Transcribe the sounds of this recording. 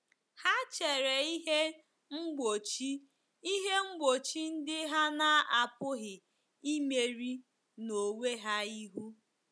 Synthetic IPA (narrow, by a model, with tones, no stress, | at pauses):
ha˦t͡ʃe˨ɾe˨i˦ɦe˦ | ŋ͡m̩˦ɡ͡bo˨t͡ʃi˦ | i˦ɦe˦ŋ͡m̩˦ɡ͡bo˨t͡ʃi˦n̩˦dɪ˦ɦa˦na˦a˨pʊ˦ɦɪ˨ | i˦me˨ɾi˦ | no˨we˦ɦa˦i˦ɦu˦